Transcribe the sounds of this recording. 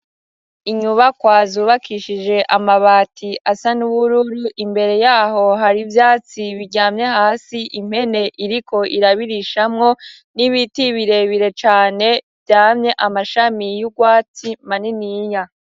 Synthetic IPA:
iɲuβakwaːzuːβakʰiʃid͡ʒe̞ʔamaβaːtʰiʔasanuβuɾuɾuʔimbe̞ɾe̞jaːɦo̞ɦaɾivjaːt͡siβiɟaːmɲe̞haːsiʔim̥he̞ne̞ʔiɾiko̞ʔiɾaβiɾiʃamŋo̞ | niβitiβiɾe̞βiɾe̞t͡ʃaːne̞vjaːmɲe̞ʔamaʃamijuɡwaːt͡simaniniːja

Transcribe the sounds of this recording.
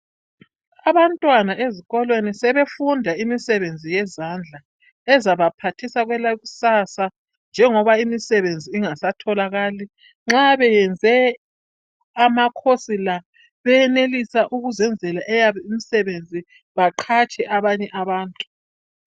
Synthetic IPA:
aβantʼwanaʔeziɣɔlwenisɛβefundʱaimisɛβend͡zʱijɛzand͡ɮʱa | ɛzaβapʰatʰisaɣwɛlaɣusasa | nd͡ʒʱɛŋɔβaimisɛβend͡zʱiːŋasatʰɔlaɣaːli | ŋ͡ǁaβɛjɛnd͡zʱɛ | amakʰosila | βɛɛnelisaʔuɣuzɛnd͡zʱɛlaʔɛjaβɛimisɛβend͡zʱi | βaǃʰat͡ʃʼɛʔaβaɲɛʔaβaːntʼu̥

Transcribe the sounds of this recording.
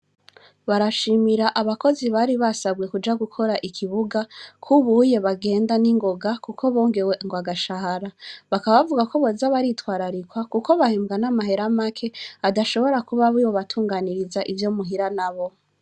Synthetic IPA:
βaɾaʃimiɾaʔaβako̞ziβaɾiβasaβɡwe̞kud͡ʒaɡukʰo̞ɾaʔikʰiβuɡakʰuβuje̞βaɡe̞ːndaniŋɡo̞ɡakuko̞βo̞ːŋɡeweŋɡwaɡaʃahaɾaβakaβaβavuɡako̞βozaβaɾitwaːɾaɾikwakuko̞βahemɡanamaɦe̞ɾamakʰe̞adaʃo̞βo̞ɾakuβaβiwo̞βatʰuːŋɡaniɾizaʔivjo̞muɦiɾanaβo̞

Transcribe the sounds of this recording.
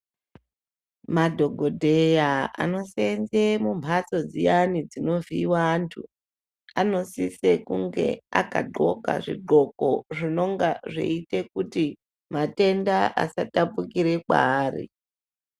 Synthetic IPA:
madʱo̞ɡʱo̞dʱe̞jaa̰no̞senzemumʱat͡so̞d͡zijanid͡zino̞viwantʰu | ano̞sise̞kuŋɡe̞̰a̰ka̰ɡ͡ǃʱo̞̰ka̰ʐḭɡ͡ǃʱo̞ko̞ʐino̞ŋɡaʐḛite̞kuti | mate̞ndaʔa̰satapukiɾe̞kwaːrḭ

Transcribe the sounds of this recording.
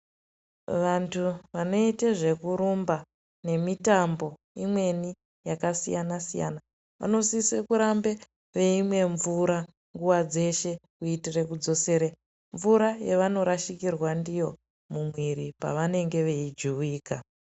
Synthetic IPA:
ʋantʰuʋano̞iteʐe̞kuɾumba | ne̞mitambo̞ | imwe̞ni | jakasijanasija̰na | ʋa̰no̞sisekuɾambe | ʋe̞imwe̞ɱvuɾa | ŋɡuʋad͡ze̞ʃe̞kuitire̞kud͡zo̞se̞ɾe | ɱvuɾajeʋano̞ɾaʃikirwandijo̞ | mumwiɾipa̰ʋane̞ŋɡe̞ʋe̞id͡ʒuwiːka

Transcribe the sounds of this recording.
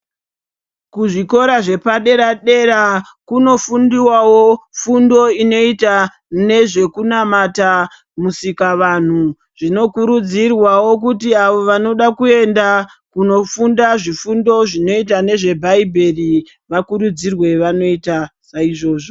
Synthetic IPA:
kuʐiko̞ɾaʐe̞paɗe̞ɾaɗe̞ɾa | kuno̞fundiwawofundo̞ino̞ita | ne̞ʐe̞kunamata | musikaʋan̤u | ʐ̥ino̞kuɾud͡zirwawo̞k̬utiaʋo̞ʋano̞ɗakue̞nda | kuno̞fundaʐifundo̞ʐino̞itane̞ʐe̞bʱaibʱe̞ri | ʋakuɾud͡zirwe̞ʋano̞itasaiʐo̞ːʐo

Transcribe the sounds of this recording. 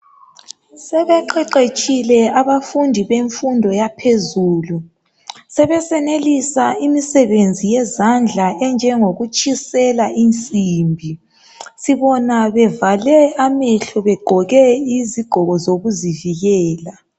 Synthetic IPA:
sɛβɛǃɛǃet͡ʃʼilɛaβafundʱiβeɱfundʱɔjapʰezuːlu | sɛβɛsɛnelisaimisɛβend͡zʱijɛzand͡ɮʱaɛnd͡ʒʱɛŋoɣut͡ʃʼisɛlaʔint͡sʼimbʱi | siβɔnaβɛvalɛamɛɬɔβɛɡ͡ǃ̥ʱɔɣɛiziɡ͡ǃ̥ʱɔɣɔzoɣuziviɣɛːla

